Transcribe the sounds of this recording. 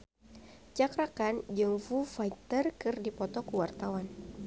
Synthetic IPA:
t͡ʃakɾakand͡ʒəŋfufait̪ərkɨrdipɔt̪ɔkuwart̪awan

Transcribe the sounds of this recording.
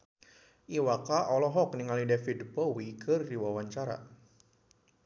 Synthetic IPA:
ʔiwakaʔɔlɔɦɔkniŋalidafidpɔwikʰərdiwawaɲt͡ʃaɾa̰

